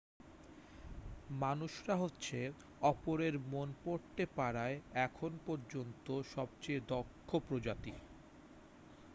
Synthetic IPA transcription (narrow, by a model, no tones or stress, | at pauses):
manuʃɾaɦotːɕʰe | ɔpoɾeɾmonpoɾt̪epaɽaeɛkʰonpɔɾd͡ʑont̪oʃɔb̚t͡ɕejd̪okʰːopɾod͡ʑat̪i